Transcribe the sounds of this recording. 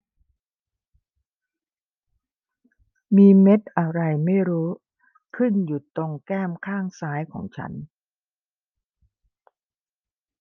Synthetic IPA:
miː˧me˦˥t̪̚ʔa˧ɾa˧jma˥˩jɾuː˦˥ | kʰɯ˥˩nju˨˩t̪o˧ŋkɛː˥˩mkʰaː˥˩ŋsaː˦˥jkʰɔː˩˦ŋt͡ɕʰa̰˦˥n

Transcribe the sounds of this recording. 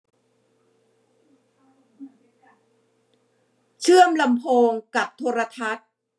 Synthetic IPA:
t͡ɕʰɯ˥˩əmla˧mpʰoː˧ŋka˨˩p̚t̪ʰoː˧ɾa˧t̪ʰa˦˥t̪̚

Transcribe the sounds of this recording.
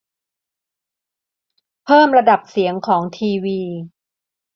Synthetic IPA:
pʰɤː˥˩mɾa˧da˨˩p̚si˩˦əŋkʰɔː˩˦ŋt̪ʰiː˧wiː˧

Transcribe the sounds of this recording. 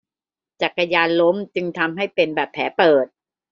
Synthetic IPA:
t͡ɕa˨˩kːa˧jaː˧nlo˦˥mt͡ɕɯ˧ŋt̪ʰa˧mɦa˥˩jpe˧nbɛː˨˩pʰːɛː˩˦˥pɤː˨˩t̪̚

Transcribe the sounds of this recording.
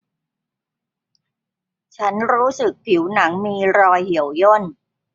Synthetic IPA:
t͡ɕʰa˦˥nɾuː˦˥sɯ˨˩k̚pʰi˨˩˦wna˩˦ŋmiː˧ɾɔː˧jhi˩˦əwjo˥˩n

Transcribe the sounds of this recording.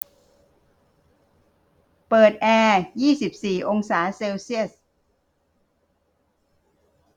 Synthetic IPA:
pɤː˨˩t̪̚ʔɛː˧jiː˥˩si˨˩p̚siː˨˩ʔo˧ŋsaː˩˦seː˧wsi˥˩əs̚

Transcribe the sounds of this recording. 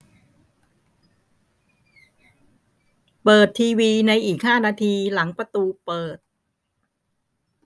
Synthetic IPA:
pɤː˨˩t̪ʰːiː˧wiː˧na˧jʔiː˨˩k̚haː˥˩naː˧t̪ʰiː˧la˩˦ŋpɾa˧t̪uː˧pɤː˨˩t̪̚

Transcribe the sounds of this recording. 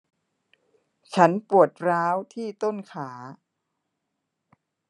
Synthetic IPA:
t͡ɕʰa˦˥npu˨˩ət̪̚ɾaː˦˥wt̪ʰiː˥˩t̪o˥˩nkʰaː˩˦

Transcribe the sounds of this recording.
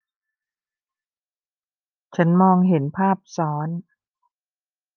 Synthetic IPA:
t͡ɕʰa˦˥nmɔː˧ŋɦe˩˦npʰaː˥˩p̚sɔː˩˦n

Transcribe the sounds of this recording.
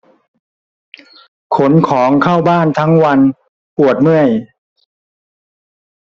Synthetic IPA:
kʰo˩˦nkʰɔː˩˦ŋkʰa˥˩wbaː˥˩nt̪ʰa˦˥ŋwa˧n | pu˨˩ət̪̚mɯ˥˩əj

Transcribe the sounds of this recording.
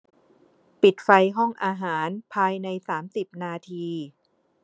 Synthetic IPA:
pi˨˩t̪̚fa˧jɦɔ˥˩ŋʔaː˧ɦaː˩˦npʰaː˧jna˧jsaː˩˦msi˨˩p̚naː˧t̪ʰiː˧

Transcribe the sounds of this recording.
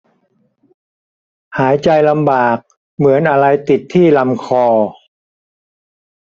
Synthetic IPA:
haː˩˦jt͡ɕa˧jla˧mbaː˨˩k̚ | mɯ˩˦ənʔa˧ɾa˧jt̪i˨˩t̪ʰːiː˥˩la˧mkʰɔː˧

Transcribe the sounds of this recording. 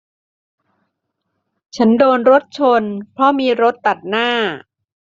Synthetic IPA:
t͡ɕʰa˦˥ndoː˧nɾo˦˥t̪̚t͡ɕʰo˧npʰɾɔ˦˥miː˧ɾo˦˥t̪ːa˨˩t̪̚naː˥˩

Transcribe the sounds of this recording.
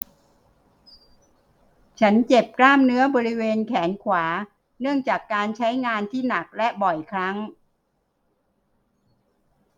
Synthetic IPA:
t͡ɕʰa˦˥nt͡ɕe˨˩p̚klaː˥˩mnɯ˦˥ɐbɔː˧ɾi˦˥weː˧nkʰɛː˩˦nkʰwaː˩˦ | nɯ˥˩əŋt͡ɕaː˨˩kːaː˧nt͡ɕʰa˦˥jŋaː˧nt̪ʰiː˥˩na˨˩k̚lɛ˦˥bɔ˨˩jkʰɾa˦˥ŋ

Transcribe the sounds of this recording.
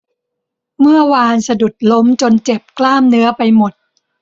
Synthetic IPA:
mɯ˥˩ɐwaː˧nsa˧du˨˩t̪̚lo˦˥mt͡ɕo˧nt͡ɕe˨˩p̚klaː˥˩mnɯ˦˥ɐpa˧jmo˨˩t̪̚

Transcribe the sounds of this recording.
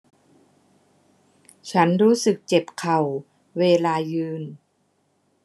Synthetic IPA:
t͡ɕʰa˦˥nɾuː˦˥sɯ˨˩k̚t͡ɕe˨˩p̚kʰa˨˩w | weː˧laː˧jɯː˧n

